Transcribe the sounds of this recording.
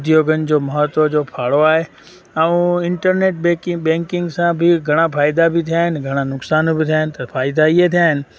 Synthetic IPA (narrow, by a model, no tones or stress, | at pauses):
d̪ijoːɡənɪ̆d͡ʑoːmɐɦət̪od͡ʑoːpʰaːɽoaːɦe | ɛ̃ũɪ̃ɳʈəɾneːʈ̚bɛkɪbɛ̃ːŋkɪ̃ŋɡsãbɪɡʱɐɽ̃afʰaːɪd̪abɪt̪ʰijaːɦɪnɪ̆ɡʱɐɽ̃anʊksaːnbɪt̪ʰijaːɦɪnɪ̆t̪ɐfʰaːɪd̪aiet̪ʰijaːɦɪnɪ̆